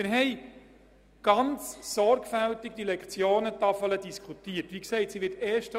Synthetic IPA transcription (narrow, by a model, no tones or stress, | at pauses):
mɪɾɦɛɪ | ɡ̥ɑnt͡ssɔɾɡfæltiɡ̚d̥̪ilɛkχt͡sjoːnətɑfələdiskʰχutiːətʋiksɛɪtsiʋɪtɛːʃtə